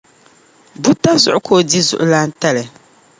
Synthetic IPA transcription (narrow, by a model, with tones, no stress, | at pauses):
bu˦ta˦zʊ̰˨ʔʊ˦kʰoː˦˨di˦zʊ̰˨ʔʊ˦la˦n̩˦ta˦lɨ˨